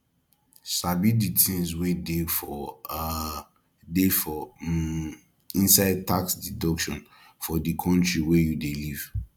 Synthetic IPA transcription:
sabiditʰĩns̬wedefɔ | defɔ | ĩnsaɪd̚tʰaksdidɔkʃɔ̰̃n | fɔdikʰɔ̃ntɹiwejudeliv̥

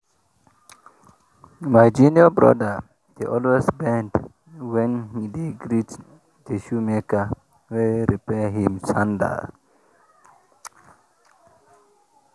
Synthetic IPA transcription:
maɪd͡ʒiniabɹɔ̰də | d̥eʔɔlwesbɛ̃nd | wɛ̃nhideɡɹit | dəʃumekə | wɛɹipɛɦĩmt͡ʃãndə̰

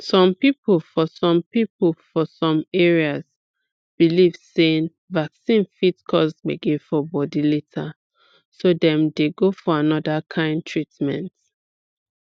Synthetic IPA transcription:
sɔ̃mpiplfɔsɔ̃mpiplfɔsɔ̃mɛɹias | b̥ilivseĩn | vaksĩnfitkʰɔsmeɡefɔbɔdiletʰa | sodɛ̃mdeɡofɔanɔdakʰãɪ̃ndtʰɹitmɛ̰̃nt

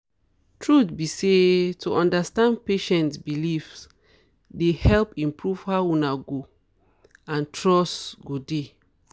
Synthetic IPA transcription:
tʰɹutbisetʰuʔɔ̃ndastãndpeʃɛ̃ntsbilifs | dehɛlpĩmpɹuv̥haunaɡo | ãntɹɔsɡode

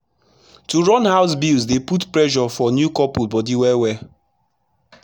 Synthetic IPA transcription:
tuɹɔnhaʊs̬bilzdeputpɹɛʒɔfɔnjukɔpubɔdiwɛwɛ

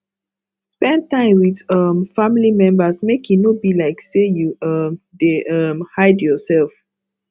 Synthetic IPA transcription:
spɛ̃nd̚tãɪ̃mwidʌmfãmilimɛ̃mbəsmekʰunobilaɪksejuʌmdeʔʌmhaɪdjɔsɛlf

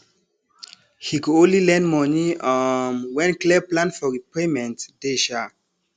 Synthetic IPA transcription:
hikuõnlilɛ̃nmɔniamwɛ̃nklɛplãnfɔɹipemɛ̃ntd̥eʃa

